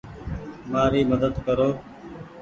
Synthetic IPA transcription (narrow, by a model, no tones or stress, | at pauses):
maːɾiːməd̪əd̪kəɾoː